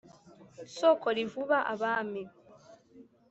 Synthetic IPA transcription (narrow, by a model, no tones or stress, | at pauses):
sokolivuβaʔa̰βaːmeβ